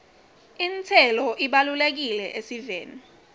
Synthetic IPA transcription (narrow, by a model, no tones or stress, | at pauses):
int͡sʰɛlɔʔiɓalulek̬ilɛʔesiveːnu